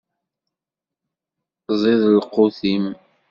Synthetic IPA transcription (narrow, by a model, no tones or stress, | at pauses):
zˤɪðəlqʊθim